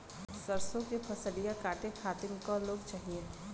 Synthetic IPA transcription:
səɾsõkepʰɐsəlijakaːʈekʰaːt̪ɪnkɔloːɡt͡ʃaːɦiẽ

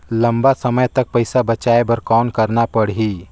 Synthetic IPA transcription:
ləmbasəməjt̪ək̚pəjsabət͡ʃaebəɾkɔnkəɾnapəɽɦi

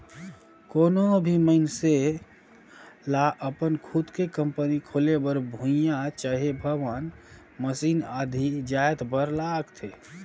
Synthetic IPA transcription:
koːnobʱiməɪnse | laʔəpənkʰud̪kekəmpənikʰolebəɾbʱũjat͡ʃəɦebʱəʋən | məsiːnad̪ʱid͡ʒajt̪bəɾlaɡt̪ʰe

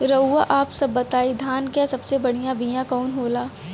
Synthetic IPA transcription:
ɾɐuːaʔaːpsɐbːɐt̪aːid̪ʱaːnkjasɐbsebɐɽ̤ijãbijãkɔːnɦoːlaː

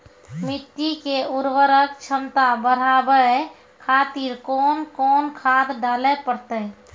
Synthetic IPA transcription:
mɪt̪ːikeuɾʋəɾəkt͡ʃʰəmt̪abəɾ̤aːbə | kʰaːt̪iɾkɔːnkɔːnkʰaːt̪d̪aːlɛpəɾt̪ə

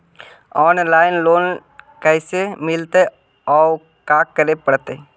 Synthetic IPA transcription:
ɔːnlaːɪnloːnkəɪsemɪlt̪e | ɔː | kaːkəɾepəɽt̪e

